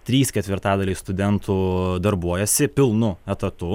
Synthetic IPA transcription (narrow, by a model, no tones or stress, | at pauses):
t̪ʲɾʲiːskʲɛt̪ʲʋʲɪɾt̪ɑːd̪ɐlʲiːst̪ʊd̪ʲɛnt̪ʰuːd̪ɐɾbuɔjɛsʲɪpʲɪlˠnʊɛt̪ɐt̪ʊ